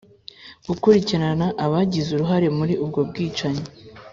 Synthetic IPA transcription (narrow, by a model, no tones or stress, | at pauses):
ɡ̥ukuɾiciɾanaʔaβaɟizuɾuɦaɾe̞muɾiʔubɡo̞bɡiːt͡ʃaɲo